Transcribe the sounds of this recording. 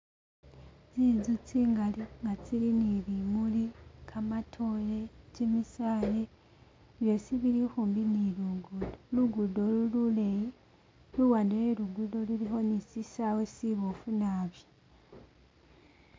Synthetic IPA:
zizut͡siːŋɡaliŋɡat͡siɾiniɾimulikʰamatʰolet͡ʃemisaːle | βjo̞siβiɾixuːmbiniluɡudoluɡudolululeji | luwaːndejeɾuɡudo̞luɾixo̞nisisawesiβofunaβjo

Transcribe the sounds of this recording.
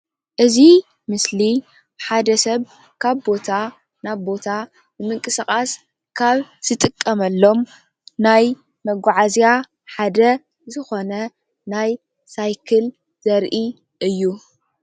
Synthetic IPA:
ʔɨzi | mɨsli | bħad̪ɐsɐβ | kʰaβbo̞t̪ʰa | naβbo̞t̪ʰa | nɨmɨŋkʼɨsɨkʼas | kʰaβz̥ɨt̪ʼɨkʼːɐmɐlːo̞m | naj | mɐɡʷaʕazja | ħad̪ɐ | zɨxo̞nɐ | naj | sajkʰɨl | z̥ɐɾʔi | ʔɨjːu

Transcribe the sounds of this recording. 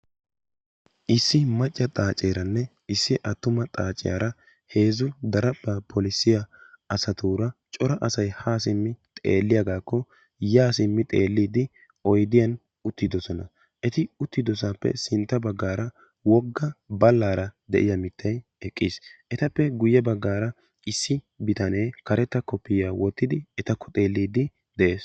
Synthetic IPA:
ʔɪsːɪmɐt͡ʃʼːɐt̪ʼaːt͡ʃʼːeːɾɐnːɛ | ɪsːɪʔɐt̪ːʊmɐt̪ʼaːt͡ʃʼːɪ̰ja̰ːɾɐ | he̞ːzʊd̪ɐɾɐbːɐpʰɔlɪsːɪjɐɐsɐt̪uːɾɐt͡ʃʼɔɾɐʔɐsɐjhaːsɪmːɪt̪ʼḛːlːɪjɐɡaːkːɔ | jaːsɪmːɪt̪ʼe̞ːlːiːd̪ɪ | ɔjd̪ɪjɐn | ʊt̪ːɪd̪ɔsɔnɐ | ʔɛt̪ɪʊt̪ːɪd̪ɔsaːpːɛ̰sɪnt̪ːɐbɐɡːaːɾɐ | wɔɡːɐbɐlːaːɾɐd̪ɛʔɪ̰jɐmɪt̪ʰːɐjɛkʼːisʔɛt̪ɐpːɛɡʊjːɛbɐɡːaːɾɐ | ɪsːɪ | bɪt̪ɐne̞ːkɐɾɛt̪ːɐkːɔpːɪjaːwɔt̪ːɪd̪ɪɛt̪ɐkʰːɔ̥t̪ʼe̞ːlːiːd̪ɪ | d̪ɛʔeːs

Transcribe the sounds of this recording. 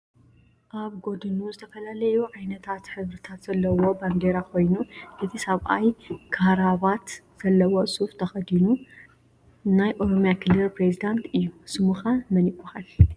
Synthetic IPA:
ʔaβɡo̞d̪ɨnuzɨt̪ʰɐfɐlalɐjuʕajnɐt̪ʰat̪ħɨβɾɨt̪ʰat̪z̥ɐlːɐwo̞band̪eɾakʰo̞jnuʔɨt̪ʰisɐβʔajkʰaɾaβat̪z̥ɐlːɐwosʼuft̪ʰɐxɐd̪inu | najʔo̞ɾomjakʰɨlːɨlpɾezid̪ant̪ɨjːusɨmuxamɐnikʷʼːɐhal

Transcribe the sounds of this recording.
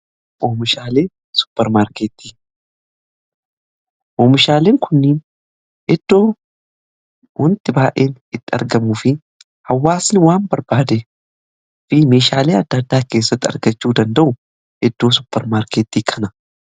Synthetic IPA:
ʔoːmɪʃaːle̞ː | sʊ̥pːɛɾmaːɾkeːt̪ːiː | ʔoːmɪʃaːle̞ːŋkʰʊnːɪːn | ʔɛd̪̥ːo̞ː | hʊnt̪ɪbaːʔe̞ːnɪt̪ːɪɐ̰ɾɡɐmuːfɪ | hɐwːaːsnɪwaːmbɐɾbaːd̪e | fɪme̞ːʃaːleːɐd̪ːɐd̪ːaːke̞ːsːɐt̪ːɪɐ̰ɾɡɐt͡ʃːuːd̪ɐnd̪ɐʔʊ | ʔɛd̪ːo̞ːsʊ̥pːɛɾmaːɾkeːt̪ːiːkʰɐnɐ

